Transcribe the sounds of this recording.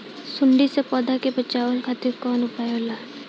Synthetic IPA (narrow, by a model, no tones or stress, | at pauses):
sʊɳɖisepɔd̪ʱakepət͡ʃaːwəlkʰat̪ikɔːnʊpajola